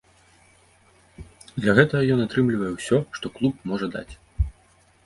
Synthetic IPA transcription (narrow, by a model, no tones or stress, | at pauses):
d̪lʲɐɣɛt̪ɐɣɐjɔnat̪ɾɨmlʲivɐjɛwsʲɔʂt̪ɔklˠupmɔʐɐd̪a̰t͡sʲ